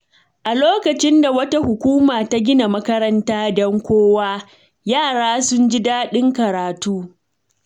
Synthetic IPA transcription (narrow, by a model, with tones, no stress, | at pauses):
ʔa˨loː˦kɐ˨t͡ʃɪ˦nda˨wɐ˦ta˦hʊ˨kʷuː˦maː˨ta˦ɡʲɪ˦na˨mɐ˦kɐ˦ɾɐ˦ntaː˦dɔ˦ŋkʷoː˦waː˦ | jaː˦˨ɽaː˦sʊ˦nd͡ʒɪ˦daː˦ɗɪ˦ŋkɐ˨ɾaː˨tuː˦